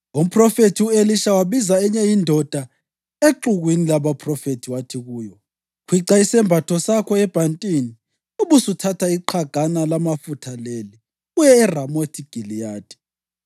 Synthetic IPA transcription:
om̩pʰʼrɔfetʰiueliʃawaβizaɛɲɛjindʱɔd̥ʱa | eǃuɣwinilaβapʰrɔfetʰiwatʰiɣuːjɔ | kʰwiǁaisɛmbʱatʰɔsakʰɔɛb̥ʱantʼini | uβusutʰatʰaiǃʰaɡ̥ʱanalamafutʰaleli | ɣujɛːramotʰiɡ̥ʱilijaːd̥ʱi̥

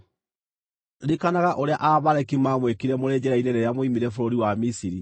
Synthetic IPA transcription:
ɾikanaɣaʔoɾea̰ʔaβaɾɛkimamwekiɾɛmoɾeːɲd͡ʑɛɾaineɾejamwimiɾɛfoɾoɾiwamisiɾi

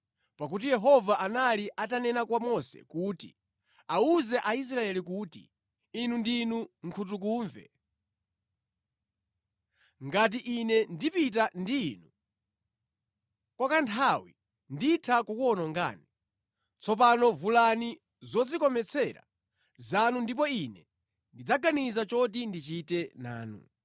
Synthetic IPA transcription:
pak̬ut̬ijɛɦɔvaʔanaliʔatanɛnakwamɔsɛ̰kuːtḭ | auzɛʔais̬ɾaɛlik̬utḭː | nundinuŋ̩kʰut̬uk̬uːɱvɛ̰ | ŋɡat̬iʔinɛndipit̬andiːnu | kwakantʰawḭ | nditʰakukɔnɔŋɡa̰ːni | t͡sʰɔp̬anɔvulani | zɔd͡zikɔmɛt͡sʰɛɾa̰ | zanundip̬ɔinɛ | ndid͡zaɡanizat͡ʃɔt̬indit͡ʃitɛna̰ːnṵ

